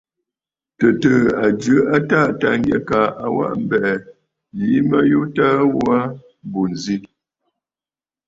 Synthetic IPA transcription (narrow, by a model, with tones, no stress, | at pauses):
tə˨tə˨a˨d͡ʒɨ˨˦a˦ta˦˨ta˨ŋɡə˦˨ka˨a˦˨wa̰˦ʔm̩˦bɛ˨ | ji˨˦mə˦ju˦ta˦wwa˦ | bu˨n˨zi˦